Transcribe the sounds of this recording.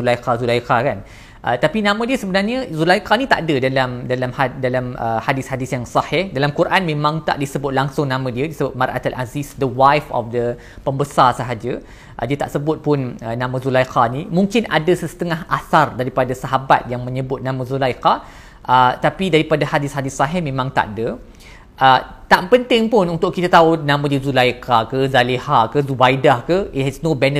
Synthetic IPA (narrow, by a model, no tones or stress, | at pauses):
ulajqazulajqakan | ʔə̰t̪apinãmə̃diəsəbənarɲəzulajkanit̪a̰ʔadədalamdalamhadalaməhadɪshadɪsjaŋsɑhɪhdalamkuɾʔanmẽmãŋt̪a̰ʔdisəbʊt̪̚laŋsʊŋnãmə̃diədisəbʊt̪̚marʔa̰t̪alʔazisdəwajfɔ̰fdə | pəmbəsarsəɦad͡ʒə | ʔədiət̪a̰ʔsəbʊt̪̚pʊnənãmãzulajqanimũŋkɪnadasəsə̥t̪əŋaɦasardaɾipadasaɦaba̰t̪̚jaŋmə̃ɲəbʊt̪̚nãmə̃zulajka | ʔət̪apidaɾipadahadɪshadɪsaɦɪmẽmãŋt̪a̰ʔdə | ʔət̪aʔpənt̪ɪŋpʊnunt̪ʊʔkit̪at̪aunãmãdiəzulajkakəzalehakəzubajdahkəit̪̚hɛsnobɛnə